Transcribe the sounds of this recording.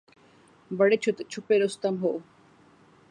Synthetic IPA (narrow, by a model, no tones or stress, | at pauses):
bəɽet͡ɕʰut̪t͡ɕʰupeɾost̪ɐmɦoʔw